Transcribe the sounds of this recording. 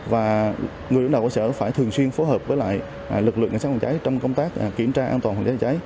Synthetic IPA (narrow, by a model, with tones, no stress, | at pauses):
vaː˨˩ | ŋɨ˨˩˨ə˧˥˦nɗə˨˩wsəː˧˩˦faː˧˩jt̪ʰɨ˨˩əŋswi˧ənfo˨˦jɦəː˨˩p̚vəː˨˦jla̰ː˧˨j | lɨ˨˩k̚lɨ̰˧˨ŋkːsa˦˥kwa˨˩t͡ɕa˨˦jt͡ɕɔ˧wŋ͡mkə˧wŋ͡mt̪aː˦˥k̚ki˧˩əmt͡ɕaː˧ʔaː˧nt̪waː˨˩hwaː˨˩t͡ɕːaː˨˦jt͡ɕa˨˦j